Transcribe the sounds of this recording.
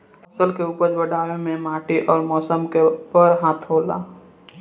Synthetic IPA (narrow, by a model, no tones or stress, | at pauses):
əsəlkeuːpəɾbəɖʱaːʋemẽmaːʈiʔɔːɾmɔːsəmkepəɾɦaːt̪ʰɦoːla̰ː